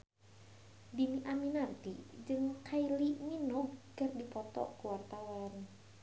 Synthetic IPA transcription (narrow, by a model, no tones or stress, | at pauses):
dimiʔaminart̪ḭd͡ʒɨŋkʰailiminɔɡɡardipɔt̪ɔ̰kuwart̪awan